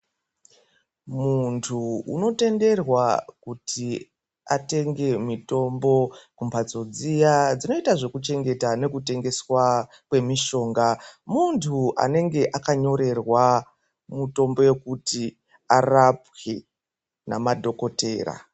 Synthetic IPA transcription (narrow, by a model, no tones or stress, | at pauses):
muntʰuṵno̞te̞nde̞rwakutʰi | ate̞ŋɡe̞mito̞mbo̞kumpʰat͡so̞d͡zijad͡zino̞itaʐe̞kut͡ʃe̞ŋɡe̞tane̞kute̞ŋɡe̞swa | kwe̞miʃo̞ːŋɡamuntʰuʔa̰ne̞ŋɡe̞ʔakaɲo̞ɾe̞rwa | muto̞mbo̞je̞kuti | arapwe | na̰madʱo̞ko̞te̞̰ːra̰